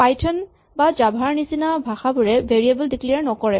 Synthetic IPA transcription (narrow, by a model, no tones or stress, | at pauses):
pajtʰɔn | bad͡ʒabʱaɹnisinabʱaxabʊɹɛbeɹiabɔldiklijaɹnɔkɔɹɛ